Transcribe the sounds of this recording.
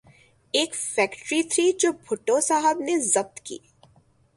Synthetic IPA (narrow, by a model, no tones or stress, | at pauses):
eːkfɛːkʈɾit̪ʰɾiːd͡ʒoːbʱʊʈosaɦəbnezɐp̚t̪kḭː